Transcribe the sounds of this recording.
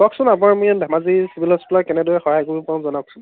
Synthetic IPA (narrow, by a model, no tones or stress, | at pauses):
b̥ɔksʊnap̬unaɹmujandʱamazisibilɔspilaɹkɛnɛdʊɛxɔɦajkuɹipawnzɔnaksun